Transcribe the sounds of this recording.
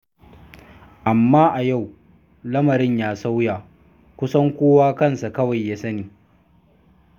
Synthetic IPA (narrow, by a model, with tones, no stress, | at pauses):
ʔa˨mːaː˦ʔa˨ja˦˨w | lɐ˦mɐ˨ɾɪ˦ɲjaː˦sa˦wjaː˨ | kʷʊ˦sɐ˦ŋkʷoː˦waː˦kɐ˦nsa˨kɐ˦wa˨jːaː˦sɐ˦niː˨